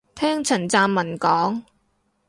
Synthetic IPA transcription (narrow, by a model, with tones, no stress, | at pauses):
t̪ʰɛː˥ŋt͡sʰɐ˨˩nt͡saː˧mːɐ˨˩nkɔː˨˥ŋ